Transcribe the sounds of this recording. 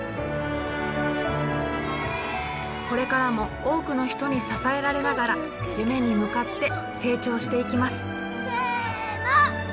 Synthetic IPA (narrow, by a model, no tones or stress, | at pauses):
ko̞ɾe̞kaɾamo̞ | o̞ːkɯ̟no̞çi̥t̪o̞ɲ̟isasae̞ɾaɾe̞naɡaɾa | jɯ̟me̞ɲ̟imɯ̟kat̪ːe̞ | se̞ːt͡ɕo̞ːɕi̥t̪e̞ikʲimasɨ̥